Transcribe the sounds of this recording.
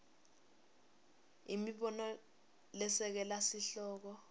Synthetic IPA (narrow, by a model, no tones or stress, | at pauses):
imiɓɔnɔ | lɛsɛk̬ɛlasiɬɔːk̬ɔ